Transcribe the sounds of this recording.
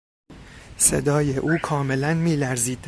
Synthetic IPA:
se̞̰d̪ɒːje̞ʔuːkʰɒːme̞lænmiːlæɾziːd̪̥̚

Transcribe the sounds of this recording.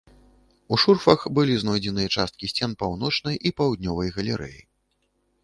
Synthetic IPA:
uʂurfɐxbɨlʲiznɔjd͡zʲɛnɨjɐt͡ʂast̪̚kʲisʲt͡sʲɛnpawn̪ɔt͡ʂnɐjʔipawd̪̚ʲnʲɔvɐjɣɐlʲɛɾɛ̰jḭ

